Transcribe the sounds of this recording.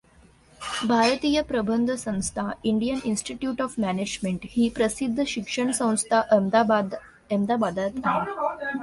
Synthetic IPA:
bʱaɾət̪iːjəpɾəbənd̪ʱəsə̃ñst̪ʰaiɳɖijəninsʈiʈjuːʈɔfmæned͡ʒmeɳʈhiːpɾəsid̪ːəʃikʂəɳsə̃w̃st̪ʰaʔ̪ | emd̪abad̪at̪ãn

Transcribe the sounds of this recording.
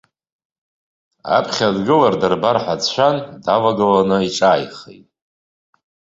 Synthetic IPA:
a̰pʰχʲadɡɨlardarbarħʷat͡st͡ʃʷʰandavaɡɨlanɨiʈ͡ʂʼaːjχḛjtʼ

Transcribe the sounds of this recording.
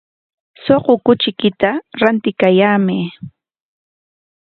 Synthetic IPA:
soqokʊt͡ʃɪkɪt̪aɾant̪ɪkajaːme

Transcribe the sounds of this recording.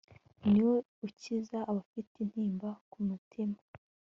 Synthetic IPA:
niwo | ucizaːβafitin̥hiːmbakumutʰima

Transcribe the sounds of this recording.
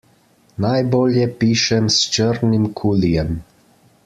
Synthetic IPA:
najboːljɛpiːʃɛmst͡ʃəɾnimkʰuːlijɛm

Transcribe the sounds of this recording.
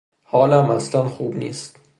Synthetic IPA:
hɒːlæmæslænxuːbnḭːst̪

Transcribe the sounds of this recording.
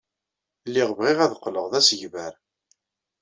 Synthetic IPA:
lːiʁvʁiʁæðqːləʁðæsəʝvæɾ

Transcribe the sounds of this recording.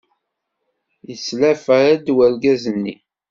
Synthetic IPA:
jəslæfaɾæd̪wælɡæzənːḭ

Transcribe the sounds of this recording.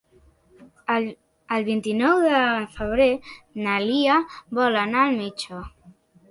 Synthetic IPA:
lβint̪inɔwðəfəβ̞ɾenaliaβɔlanaːlmit͡ʃo

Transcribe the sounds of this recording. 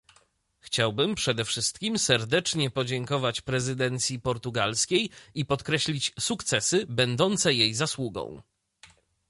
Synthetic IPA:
xt͡ɕawbɘmpʂɛd̪ɛfʂɘst̪kʲimsɛɾd̪ɛt͡ʂɲɛpɔd͡ʑɛŋkɔvat͡ɕpɾɛzɘd̪ɛnt̪sʲjipɔɾt̪uɡalskʲejipɔt̪kɾɛɕlʲit͡ɕsukt̪sɛsɘbɛnd̪ɔnt̪sɛjejzaswuɡɔ̰̃w̃

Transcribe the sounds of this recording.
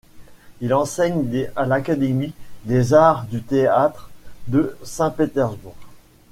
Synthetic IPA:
ilɑ̃sɛɲd̪ealakad̪emid̪ezaʁd̪yt̪eat̪χd̪əsɛ̃pet̪ɛʁzbuʁ

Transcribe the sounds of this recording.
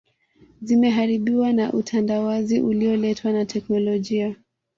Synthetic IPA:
zimɛɦaɾiɓiwanaʔutʰandawaziʔuliɔlɛtʰwanatʰɛknɔlɔʄia

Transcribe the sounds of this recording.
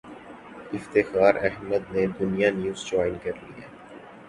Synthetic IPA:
ɪft̪ɪxaːɾɛɦməd̪̚ned̪ʊnijanjuːzd͡ʒɔːɪnkɐɾlḭḛː

